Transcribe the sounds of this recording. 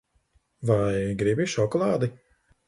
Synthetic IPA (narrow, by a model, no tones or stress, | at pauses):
vajɡɾibiʃɔkɔlˠaːd̪i